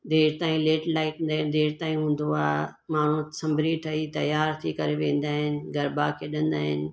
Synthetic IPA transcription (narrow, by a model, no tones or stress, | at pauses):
d̪eːɾt̪aːĩleːʈlaːɪʈnd̪aːɦɪn̆d̪eːɾt̪aːĩɦũːn̆d̪oa̰ː | maːɳ̤ũsɐ̃mbʱɾit̪ʰɐit̪ɐjaːɾt̪ʰikɐɾeʋẽːn̆d̪aːɦɪnɪ̆ɡɐɾbakʰeːɗə̃nd̪aːɦɪ̰nɪ̆